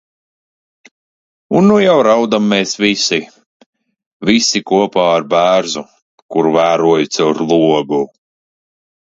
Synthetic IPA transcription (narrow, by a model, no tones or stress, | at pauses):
unːujawɾawd̪amːeːsvisi | visikuɔpaːaɾbæːɾzu | kuɾvæːɾuɔjut̪sɛwɾlˠuɔɡu